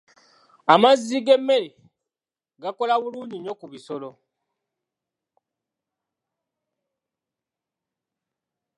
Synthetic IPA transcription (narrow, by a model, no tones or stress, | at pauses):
amaziɡe̞mːe̞le | ɡako̞laβuluːɲiɲo̞kuβiso̞lo̞